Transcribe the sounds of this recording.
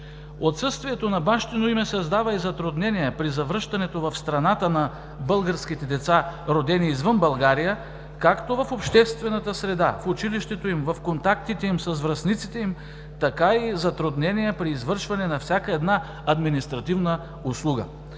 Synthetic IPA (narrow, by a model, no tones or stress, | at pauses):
ot̪sɤst̪viɛt̪onɐbaʃt̪inoimɛsɐzd̪avɐizɐt̪ɾʊd̪nɛnijɛpɾizɐvɾɤʃt̪ɐnɛt̪ovɐfst̪ɾɐnat̪ənɐ | bɤlˠɡəɾsk̟it̪ɛd̪ɛt̪saɾod̪ɛniːzvɤnbɐlˠɡaɾijə | kakt̪ovɐfopʃt̪ɛst̪vɛnɐt̪əsɾɛd̪afʊt͡ʃiliʃt̪ɛt̪oimvɐfkont̪akt̪it̪ɛimsɐzvɾɐsnit̪si̥t̪ɛim | t̪ɐkaizɐt̪ɾʊd̪nɛnijɛpɾiːzvɤɾʃvɐnɛnɐfsʲakəɛd̪na | ɐd̪minist̪ɾɐt̪ivnə | ʊslˠuɡə̰